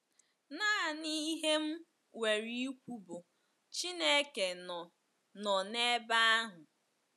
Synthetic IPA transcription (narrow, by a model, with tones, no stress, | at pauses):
naː˦˨ni˦ɦe˦m̩˦ | we˨ɾi˦kʷu˦bo˨ | t͡ʃi˦ne˦ke˨nɔ˨ | nɔ˨ne˦ba˦a˦ɦʊ˨